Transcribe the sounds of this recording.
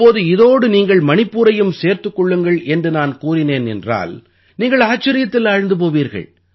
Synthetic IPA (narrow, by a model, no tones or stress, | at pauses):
pːoːðɯɪðoːɽɯniːŋɡɐɭmɐnɪpːuːɾɐjɯmseːɾt̪ɯkːɔɭːɯŋɡɐɭɛndrɯnaːnkuːrɪneːnɛ̰ndra̰ːl | niːŋɡɐɭaːt͡ʃːɐɾɪjɐt̪ːɪlɐɻɯnd̪ɯp̬oːʋiːɾɣɐ̰ɭ